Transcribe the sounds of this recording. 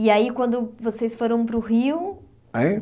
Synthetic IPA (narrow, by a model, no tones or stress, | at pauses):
iaikwɐ̃nd̪ʊvosejsfoɾɐ̃w̃pɾʊɦiw | ai